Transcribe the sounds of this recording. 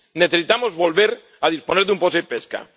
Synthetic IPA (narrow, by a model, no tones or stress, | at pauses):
ne̞θe̞sit̪amo̞zβo̞lβe̞ɾ | aðisponeɾðumposeipeska̰